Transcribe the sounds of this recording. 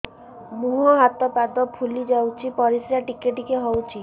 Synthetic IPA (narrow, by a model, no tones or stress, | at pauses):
muɦɔɦat̪ɔpad̪ɔpʰulid͡ʒawt͡ʃʰipɔɾisɾaʈikeʈikeɦɔwt͡ʃʰi